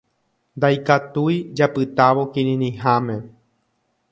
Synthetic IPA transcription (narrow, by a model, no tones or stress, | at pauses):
nd̪ajkat̪ujd͡ʒapɨt̪aʋo̞kĩɾĩnĩɦãmẽ̞